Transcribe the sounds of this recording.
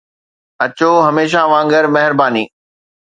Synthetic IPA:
ɐt͡ɕoɦɐmeːʃ̬aʋãːŋɡəɾmɐɦɪɾbaːniː

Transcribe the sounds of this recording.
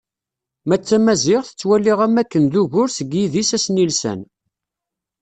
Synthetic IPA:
mæt͡sːæmæzɪʁθə̥t͡sːwælːiʁæmækːənðuʝʊɾsəɡjiðisæsnilsæ̰n

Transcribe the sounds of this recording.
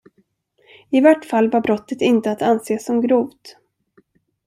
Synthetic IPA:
ɪvaʈːfalːvaɾbɾɔt̪ːət̪ɪnt̪əat̪anseːsːɔmɡɾuːvt̪

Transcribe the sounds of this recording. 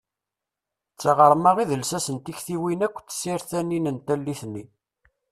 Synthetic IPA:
t͡sːaʁəɾˤmaʁiðəlsæsənt̪içθiwinækʷːt͡sːsiɾθæninənt̪ælːiθnːi

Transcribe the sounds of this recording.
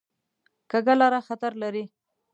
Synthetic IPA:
kaɡalaɾaxat̪aɾlaɾi

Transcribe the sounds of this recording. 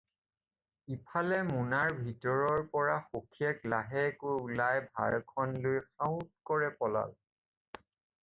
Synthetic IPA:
ipʰalɛmunaɹbʱitɔɹɔɹpɔɹaxokʰiɛklaɦɛkʊulajbʱa̰ɹkʰɔnlʊjxaʊ̃t̚kɔɹɛpɔla̰l

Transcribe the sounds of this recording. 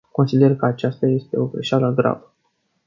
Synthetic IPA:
ko̞nsid̪e̞rkəat͡ʃast̪aje̞st̪e̞o̞ɡɾeʃaləɡɾa̰və

